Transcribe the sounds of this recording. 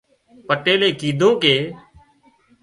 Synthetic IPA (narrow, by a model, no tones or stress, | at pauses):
pəʈeːleːkiːd̪ʱõːkeː